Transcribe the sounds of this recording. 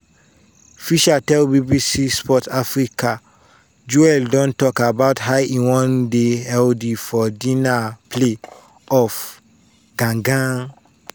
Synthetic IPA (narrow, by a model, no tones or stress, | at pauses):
fiʃatɛlbibisispʰɔtʰafɹikʰa | d͡ʒuɛldɔ̃ntɔkabaʊtɦaɪĩnwɔ̃ndeɛldifɔdĩnapʰle | ɔf | ɡ̥ãŋɡã